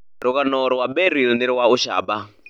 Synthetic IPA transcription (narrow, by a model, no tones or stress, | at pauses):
rukanɔɾɔwabɛɾilniɾiwauʃa̰ːɓa